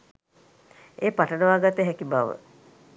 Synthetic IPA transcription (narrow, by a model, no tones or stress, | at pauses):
eːpaʈənəʋaːɡat̪əɦɛkibaʋə̰